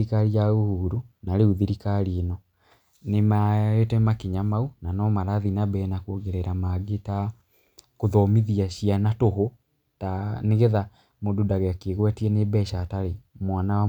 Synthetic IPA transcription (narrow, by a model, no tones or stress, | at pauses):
ikaɾiaɣohuːɾunaɾeuðiɾikaɾienɔ | nemaetɛmakeɲamaunanɔmaɾaðinabɛnakoɣeɾɛɾamaɡeta | koðɔmiðiaɕianatoɦo | taneɣeða | modudaɣeakeɣwɛtiɛnebɛʃataɾemwanawa